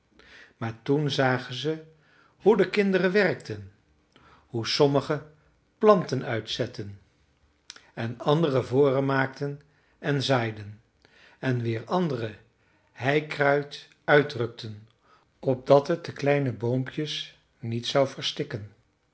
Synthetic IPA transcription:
maːɹtunzaːχənzə | hudəkɪndərənʋɛrk̚tʰən | husɔməχə | plɑntənœɥtsɛtən | ɛnɑndərəvʊːrənmaːktən | ɛnzaːjdən | ɛnʋɪːɹɑndərə | ɦɛjkrœɥt | œɥddrɵk̚tʰən | ɔb̚dɑtɦət̚d̥əklɛjnəbowmpjəs | nitsɑwvəɹstɪkən

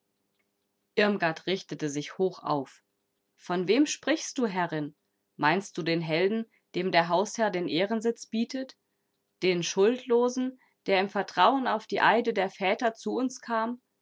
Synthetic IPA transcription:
ʔɪɐmɡaɐtʁ̥ɪçtətəzɪçhoːxʔa̰ʊf | fɔnveːmʃpʁ̥ɪçst̚d̥uːɦɛʁɪn | maɪnst̚d̥uːdeːnɦɛldn̩ | d̥eːmdeːɐɦaʊshɛɐdeːnʔeːʁənzɪt͡sb̥iːtʰət | d̥eːnʃʊltʰloːzn̩ | d̥eːɐɪmfɛɐtʁ̥aʊənaʊfd̥iːʔaɪdədeːɐfɛːtɐt͡suʊnskʰaːm

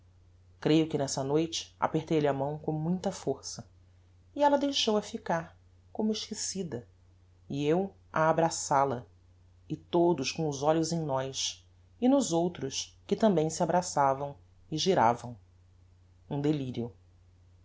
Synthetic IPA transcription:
kɾejʊkɪnɛsɐnojt͡ʃɪ̥a̰peht̪ejlɪamɐ̃w̃kõw̃mũj̃t̪ɐfoɾsɐ | iɛlɐd̪ejʃowɐfikaɾ | kõmʊɪʃkisid̪ɐ | iew | aːbɾasalɐ | ɪt̪od̪ʊskõw̃ʊzɔlʊzẽj̃nɔjs | ɪnʊzowt̪ɾʊskɪt̪ɐ̃mbẽj̃sɪabɾasavɐ̃w̃ | ɪʒiɾa̰vɐ̃w̃ | ũd̪eliɾjʊ

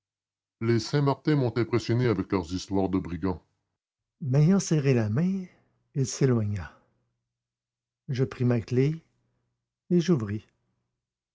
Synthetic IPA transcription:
lesɛ̃maʁt̪ɛ̃mɔ̃t̪ɛ̃pχesjɔneavɛklœʁzist̪waʁd̪əbʁiɡɑ̃ | mɛjɑ̃sɛʁelamɛ̃ | ilselwaɲa | ʒəpʁimakle | ʒuvʁi

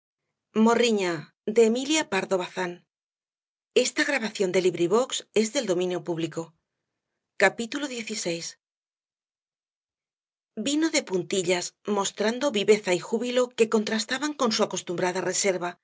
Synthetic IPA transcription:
moriɲa | d̪eːmiljapaɾðo̞βaθan | e̞st̪aɣɾaβaθjo̞nd̪e̞liβɾiβ̞o̞kse̞zðe̞ld̪o̞mĩnjo̞puβliko̞ | kapit̪ulo̞ðje̞θise̞js | bino̞ðe̞punt̪iʎasmo̞st̪ɾand̪o̞βiβe̞θaixuβilo̞ke̞ko̞nt̪ɾast̪aβaŋko̞nsuako̞st̪umbɾaðare̞se̞ɾβa

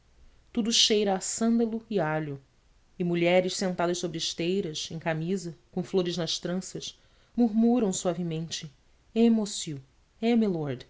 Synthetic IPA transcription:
t̪ud̪uʃejɾɐːsɐ̃nd̪ɐlʊɪaʎʊ | ɪmuʎɛɾɪʃsẽnt̪ad̪ɐʃsobɾɪʃt̪ejɾɐʃẽj̃kamizɐkõw̃floɾɪznɐʃt̪ɾɐ̃sɐʃ | muɾmuɾɐ̃w̃suavimẽnt͡ʃɪ | emosiu | emilɔɾd̪

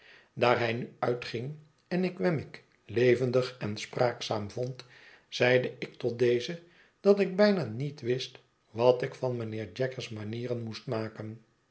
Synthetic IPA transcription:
daːɹɦɛjnyœɥtχɪŋ | ɛnɪkʋɛmɪk | lejvəndəχɛnspraːksaːmvɔnt | z̥ɛjdəɪk̚tɔt̚dejzə | d̥ɑtɪɡ̚bɛjnanitʋɪst | ʋɑtɪkfɑnmənɪːɹd͡ʒɛkəsmaniːrənmustmaːkən

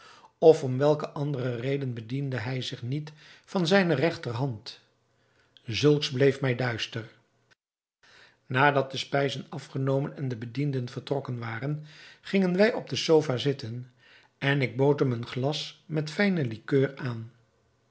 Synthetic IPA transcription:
ɔfɔmʋɛlˠkəʔɑndərərejdənbədindəɦɛjzɪχnitfɑnzɛjnərɛχtərɦɑnt | zɵlˠksblejfmɛjdœɥstər | naːdɑt̚d̥əspɛjzənɑfχənowmənɛndəbədindənvəɹtrɔkənʋaːrənχɪŋənʋɛjɔb̚dəsowfaːzɪtən | ɛnɪɡ̚bowtɦəmənχlɑsmɛtfɛjnəlikøːraːn

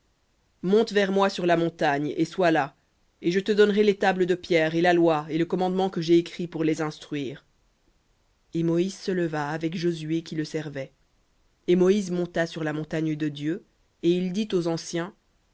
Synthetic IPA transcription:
mɔ̃t̪vɛʁmwasyʁlamɔ̃t̪aɲḛswala | eʒət̪əd̪ɔnʁelet̪abləd̪əpjɛːʁelalwaeləkɔmɑ̃d̪mɑ̃kəʒeːkχipuʁlezɛ̃st̪χɥiːʁ | emɔizsələvaːvɛkʒozyekʲiləsɛʁvɛ | emɔizmɔ̃t̪asyʁlamɔ̃t̪aɲd̪əd̪jø | eild̪it̪ozɑ̃sjɛ̃

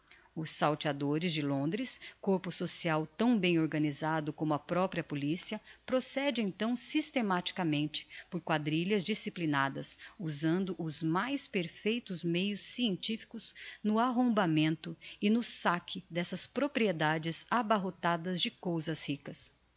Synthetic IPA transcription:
ʊsːawt͡ʃad̪oɾɪzd͡ʒɪlõnd̪ɾɪskoɾpʊsosiawt̪ɐ̃w̃bẽj̃oɾɡɐnizad̪ʊkõmʊɐpɾɔpɾiɐpolisiɐpɾosɛd͡ʒɪẽnt̪ɐ̃w̃sist̪emat͡ʃi̥kɐmẽnt͡ʃɪ̥poɾkwad̪ɾiʎɐzd͡ʒisiplinad̪ɐsuzɐ̃nd̪ʊʔʊzmajspeɾfejt̪ʊzmejʊsːiẽnt͡ʃifi̥kʊznʊaɦõbamẽnt̪ʊɪnʊsakʰɪd̪ɛsɐspɾopɾied̪ad͡ʒɪzabaɦot̪ad̪ɐzd͡ʒɪkowzɐshikɐs

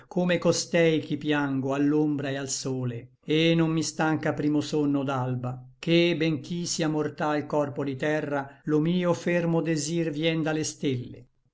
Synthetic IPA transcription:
kʰomekost̪ɛjk̟ipjaŋɡoalːombɾaealsoːle | enomːist̪aŋkapɾiːmosonːod̪albakebɛŋk̟isiamort̪ailkɔrpod̪it̪ɛrːalomiːofermod̪ezirvjɛnd̪alest̪elːḛ

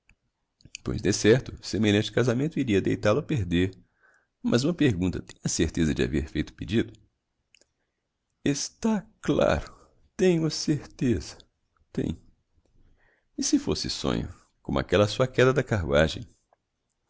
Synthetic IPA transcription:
po̰jzd̪esɛɾt̪ʊsemeʎɐ̃nt͡ʃɪ̥kazamẽnt̪ʊiɾiɐd̪ejt̪alʊapeɾd̪eɾ | mʔɐzũmɐpeɾɡũnt̪ɐt̪ẽj̃ɐseɾt̪ezɐd͡ʒɪa̰veɾfejt̪ʊ̥pid͡ʒid̪ʊ | est̪akla̰ɾʊ | t̪ẽɲʊɐseɾt̪ezɐ̥ | t̪ḛ̃j̃ | ɪsɪfosɪsõ̰ɲʊ̰ | kõmʊa̰kɛlɐsuɐkɛd̪ɐd̪ɐkaɾṵaʒḛ̃j̃

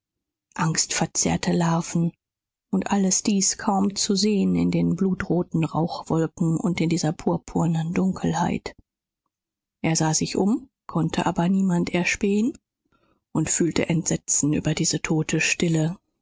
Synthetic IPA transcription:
ʔaŋstfɛɐt͡sɛ̰ːɐtʰəlaːfn̩ | ʔʊntʔaləsd̥iːskʰaʊmt͡suzeːənɪ̰ndeːnbluːtʁoːtn̩ʁaʊxv̥ɔlkŋ̩ʊ̰ntɪndiːzɐpʰuːɐpʰuːɐnəndʊŋkʰl̩haɪt | ʔeːɐzaːzɪçʔʊm | kʰɔntʰəʔaːbɐniːmantɛɐʃpeːən | ʔʊntfyːltə̰ʔɛntz̥ɛt͡sn̩ʔy̰ːbɐdiːzətʰoːtʰəʃtɪlə

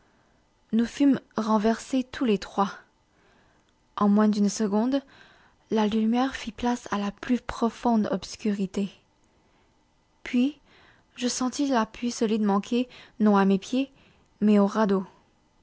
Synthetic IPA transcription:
nufymʁɑ̃vɛʁset̪ʰulet̪χwa | ɑ̃mwɛ̃d̪ynsəɡɔ̃d̪ | lalymjɛʁfiplasalaplypχɔfɔ̃d̪ɔpskʲyʁit̪e | pɥi | ʒəsɑ̃t̪ilaplisɔlid̪mɑ̃kʲʰenɔ̃amepje | mɛoʁad̪o

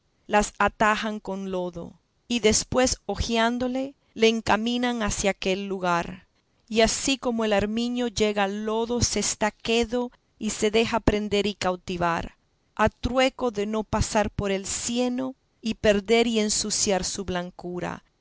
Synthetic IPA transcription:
lasat̪ahaŋko̞nlo̞ðo̞̰ | iðe̞spwe̞so̞xjand̪o̞le̞ | le̞ːŋkamĩnaŋasjaːke̞lːuɣaɾ | iasiko̞moe̞laɾmĩɲo̞ʝe̞ɣaːlo̞ðo̞se̞st̪ake̞ðo̞ | ise̞ðe̞xapɾe̞nd̪e̞ɾikawt̪iβa̰ɾ | at̪ɾwe̞ko̞ðe̞no̞pasaɾpo̞ɾe̞lsje̞no̞ | ipe̞ɾðe̞ɾie̞nsusjaɾsuβlaŋkuɾa̰

